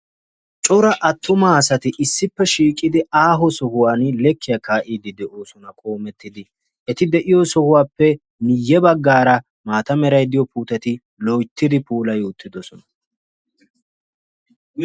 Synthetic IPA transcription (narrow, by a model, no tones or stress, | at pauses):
t͡ʃʼɔɾɐʔɐt̪ːʊmaːsɐt̪ɪʔɪsːɪpːɛʃiːkʼːɪd̪ɪaːɦɔsɔɦʊwaːnlɛkːɪjɐkaːʔiːd̪ɪd̪ɛʔoːsɔnɐkʼo̞ːmɛt̪ːɪd̪ɪ | ʔɛt̪ɪd̪ɛʔɪjɔsɔhʊwaːpːɛ | nɪjːɛbɐɡːaːɾɐ | maːt̪ɐmɛɾɐjd̪ɪjɔpuːt̪ɐt̪ɪ | lojt̪ːɪd̪ɪpuːlɐjoːt̪ʰːɪd̪ɔsɔnɐ̥